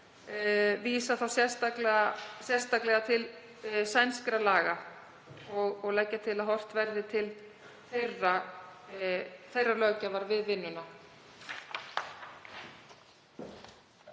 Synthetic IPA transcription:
viːsaθawsjɛ̥st̪aklɛɣasjɛr̥st̪aklɛɣat̪ʰɪl | sajnskɾalaːɣa | ɔɣɔɣlɛcːat̪ʰɪlaðɦɔr̥t̪vɛɾðɪt̪ʰɪl | θejrːa | θejrːalœːcavaɾvɪðvɪnːʏna

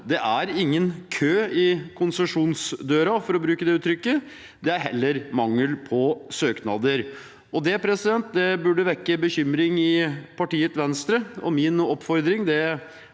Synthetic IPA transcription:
d̪ɛʔæɾɪŋːənkʰøːɪkʰʊnsəʂuːnsd̪øːɾɑfɔɾɔbɾʉːkəd̪ɛʉːt̪ʰɾʏkːə | d̪ɛæɾɦɛlːəɾmɑŋːəlpʰɔsøːknɑd̪əɾ | ɔd̪ɛpʰɾɛsɪd̪ɛnt̪̚d̪ɛbʉɖːəʋɛkːəbəçʏmɾɪŋɪpʰɑʈiːət̪ʋɛnst̪ɾəɔ̰mɪnɔpːfɔɾd̪ɾɪŋd̪ɛ

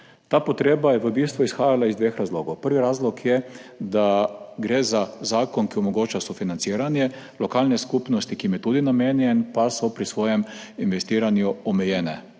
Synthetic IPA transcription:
t̪aːpɔt̪ɾeːbajɛʋəbiːst̪ʋuisxaːjalaizd̪ʋeːxɾazloːɡɔwpəɾʋiɾaːzlɔkjɛd̪aɡɾeːzazaːkɔnkiɔmɔɡoːt͡ʃasɔfinant̪siːɾanjɛ | lɔkaːlnɛskuːpnɔst̪ikiːmjɛt̪uːd̪inameːnjɛnpasɔpɾisʋoːjɛm | inʋɛst̪iːɾanjuɔmɛjɛːnɛ

